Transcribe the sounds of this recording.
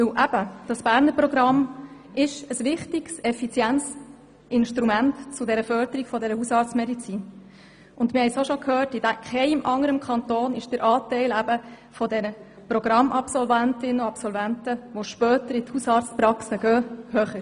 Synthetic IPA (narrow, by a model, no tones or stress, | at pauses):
ʋɪwʔæb̥əd̥ɑsb̥æːɾnəɾpɾɔɡɾɑm | ɪʃəsʋɪχtɪɡ̥sɛfit͡sjænt͡s | ɪnʃtɾumæntt͡sʊdɛɾəfœɾd̥̪əɾiɡ̥fɔdɛɾəhusɑːɾtt͡smɛdit͡siːn | ʊndmɪhɛjsoʃokʰhøːtɪd̥ækχɛɪmʔɑŋːəɾəmkʰɑnt̪oːnɪʃd̥əɾʔɑːtɛɪlæbə | fɔdɛnə | prɔɡ̥ɾɑmːʔɑpsɔlvæntɪnːəɑpsɔlvæntəʋoʃpœːtəɾɪthusɑːɾt͡spɾɑksəɡœːhœχə